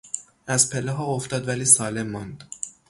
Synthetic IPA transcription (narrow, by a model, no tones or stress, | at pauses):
ʔæzpʰeleɦɒːoft̪ɒːd̪væliːsɒːle̞mːɒnd̪̥